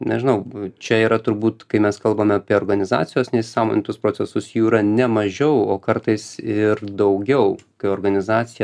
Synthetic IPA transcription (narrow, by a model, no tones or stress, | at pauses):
nʲɛ̰ʒʲɪnɐʊt͡ʃʲɛiːɾɐt̪ʊɾbuːt̪kɐɪmʲɛskɐlˠbɐmʲɛɐpʲiɛoːɾɡɐnʲɪzɑ̰ːt͡sʲɪjoːsnʲɛɪssɑːmo̰ːnʲɪt̪ʊspɾoːsʲɛsʊsjuːiɾɐnʲɛmɐʒʲɛʊoːkɐɾt̪ɐɪsɪɾd̪ɐʊɡʲɛʊkɐɪoːɾɡɐnʲɪzɑːt͡s̪ʲɪjɛ